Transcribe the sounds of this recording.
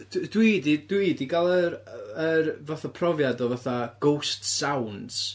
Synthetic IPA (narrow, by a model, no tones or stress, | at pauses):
ddwidid̥widiɡalˠəɾərvaθapʰrɔvjadɔvaθaɡ̥owstsawnds